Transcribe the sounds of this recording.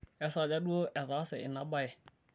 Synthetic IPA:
ɛ˨˦sa˨d͡ʒa˦ɗu˦o˦ʔɛ˨ða˨˦sɛ˨ɪ̰˨na˦ba˨ɛ˨

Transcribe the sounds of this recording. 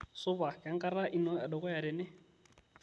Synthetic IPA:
sʊ˦ba˨ka˨ŋ̩˦kʼa˦ɾa˦ʔi˦nɔ˦ja˨dɔ˨ɣʼɔ˦ja˨ɾɪ˨nɪ˦

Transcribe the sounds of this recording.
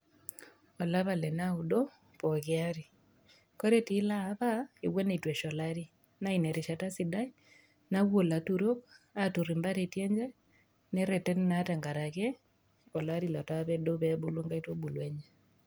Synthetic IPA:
ɔ˨la˦βa˨lɛ˨nau˨do˦ | pɔɣɪaɾi˨ | ko˦ɾeti˦laβae˨we˦ne˨itwɛ˨ʃɔ˨laɾi˦ | na˦inɛ˨ɾe˨ʃa˨ta˦sidai˦ | naɣwo˨la˨tuɾo˦katu˨ɾimba˦ɾetjɛ˦ɲd͡ʒɛ˦ | nɛ˦ɾɛ˨tɛ˦nnata˨ŋɡaɾa˨ɣɛ˦ | ɔ˨la˦ɾilɔ˨taβɛdo˦βɛbulo˦ŋɡa˦i˦to˦bu˨lweɲɛ

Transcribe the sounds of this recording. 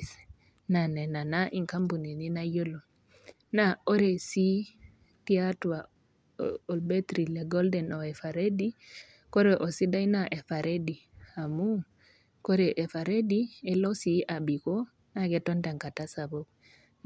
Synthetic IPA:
s | na˨nɛ˨na˨na˦ʔi˨ŋka˦mbu˨ni˨ni˦najo˦lo˨ | nao˦ɾesi˦ | ti˦atwa | ɔ˨lbetɾi˨le˨ɡo˦ldɛno˨e˨fa˨ɾe˦di | ko˦ɾeʔo˨si˦da˦jnaʔe˨fa˨ɾedi˨a˨mu˦ | ko˦ɾɛʔe˨fa˨ɾe˦diɛlo˦sia˨bi˨ko˦ | naɡɛ˨tonta˨ŋka˨ta˦sa˨bo˦k

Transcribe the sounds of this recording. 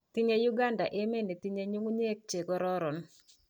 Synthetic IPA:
t̪i˦ɲe˦ju˦ɡa˦nda̰˨ʔe˦me˦ne˨t̪i˦ɲe˦ɲu˦ŋu˦ɲe˦k̚t͡ʃe˨ɡɔ˦ɾɔ˦ɾɔ˨n

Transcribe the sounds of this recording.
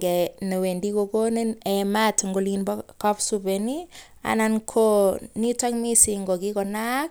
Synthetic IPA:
ɡɛ˨ne˨we˨ndi˦koko˦nenɛmatŋɡo˨linbɔkɔpsubeni | a̰˨nankʰoni˦ta˦kmi˦si˨ŋɡɔ˨ki˦kɔ˨na˦k̚

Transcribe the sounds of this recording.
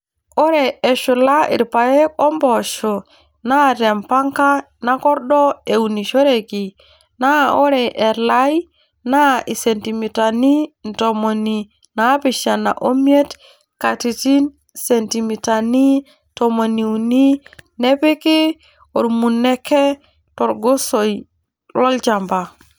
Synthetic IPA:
o˦ɾe˨e˨ʃu˨la˦ḭ˨ɾpa˨je˦ko˦mbɔ˨ʃo˨ | na˦te˨mpa˦ŋka˦ | na˦kɔ˦ɾɗɔ˦e˨u˨ni˨ʃo˦ɾe˨ki˨ | na˦o˦ɾe˨ʔe˨la˦j | na˦ʔi˨se˨nti˨mi˨ta˨ni˦n˨to˨mo˨ni˨ | na˦pi˨ʃa˨na̰˨ʔo˦mi˦e˦t | ka˨ti˨ti˦n | se˨nti˨mi˨ta˨ni˦ | nto˨mo˨ni˨u˨ni˦ne˦pi˦ki˦ | o˨ɾmu˨nːe˦kːe˦ | to˨ɾɡo˦so˨j | lo˦lt͡ʃa˨mba˨

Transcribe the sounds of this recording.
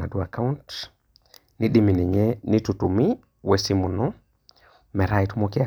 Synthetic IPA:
a̰˨du˦a˨ka˦unt | ni˦ɗi˦mi˨ni˨ɲe˦ni˦tutu˨mi˦ | we˦si˦mu˨nɔ˦ | mɛ˨ɾa˦jtu˦mo˦ki˦a

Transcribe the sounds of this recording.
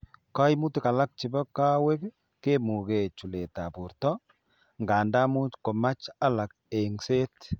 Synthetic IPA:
ka˦jmu˦ti˨ka˨la˦k̚t͡ʃi˨bɔ˦ka˦we˦k | ke˦mu˨ke˨t͡ʃu˨le˨ta˨pu˨ɾtɔ˦ | ŋɡa˨nda˦mu˦t͡ʃko˨ma˦t͡ʃa˦la˨k̚ | e˨ŋse˦t

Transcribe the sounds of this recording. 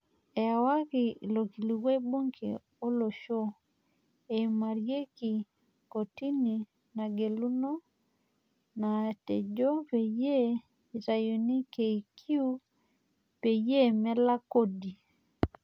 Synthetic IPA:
ɛ˨wa˦ki˨lo˨ki˨lu˨ɣwe˦bo˦ŋkʰḛ˨ | o˦lo˨ʃo˦ | e˨ma˨ɾje˦ki˨ | ko˨ti˦ni˨ | na˨ɡe˨lu˦no˦ | na˨tɛ˨d͡ʒo˦pe˨je˦˨ | ta˨jo˨ni˦ke˨i˨kʰi˦u˦ | pe˨je˦mɛ˦la˦ko˦di˨

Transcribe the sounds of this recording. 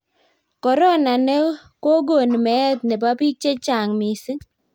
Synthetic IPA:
kɔ˨ɾɔ˦na˨nɛ˦ko˦ɡo˨n˨mɛ˨˦ɛ˦t̪̚ne˨ba˦pi˦t͡ʃe˦t͡ʃa˨ŋmi˨si˦

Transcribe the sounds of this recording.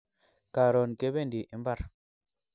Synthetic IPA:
ka˨ɾɔ˨nke˨˦be˦˨ndi˨ʔi˨mba˦˨ɾ

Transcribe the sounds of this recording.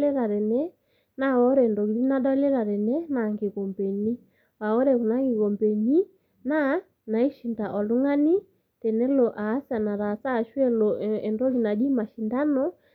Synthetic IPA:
ɛ˦ɾa˨ɾɛ˨nɛ˦ | na˦ɔ˦ɾɛ˨ndɔ˨ɣi˨ɾi˦na˦dɔ˦lɛ˦ɾa˨ɾɛ˨nɛ˦na˨ŋɡe˨ɣɔ˨mbɛ˨ɲi˦ | wa˨ɔ˦ɾɛ˨ku˨na˦ŋɡi˨ɣɔ˨mbɛ˨ɲi˦ | na˦ | na˨i˦ʃi˨nda˨ʔɔ˨lu˦ŋa˦ni˦ | tɛ˨nɛ˦lɔ˨ʔaː˨˦sa˨na˨ɾa˨sa˦˨ʃwɛ˦lɔ˨ɛ˨ndɔ˦li˨na˨d͡ʒi˦ma˨ʃi˨nda˦nɔ˦

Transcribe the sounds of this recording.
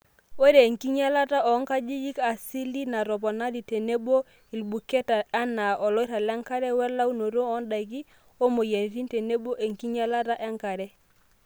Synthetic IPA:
we˦ɾe˨ŋki˦ɲa˦la˦ta˦ʔɔ˨˦ŋka˦d͡ʒi˦d͡ʒi˦ka˨si˦li˦na˨ɾɔ˨pɔ˨na˦di˨te˨ne˦ɓo˦ | i˨lbu˨kɛ˦ta˨a˦na˨ɔ˨lɔ˦i˦ɾa˨lɛ˦ŋka˦ɾɛ˦wɛ˦la˦u˦no˨ɾo˦ɔ˨˦nda˨k̬i˦ | o˦mo˨je˨n˨ɾi˦nte˨ne˦bo˦ʔe˨ŋki˦ɲa˦la˦ta˦ʔɛ˦ŋka˨ɾɛ˦

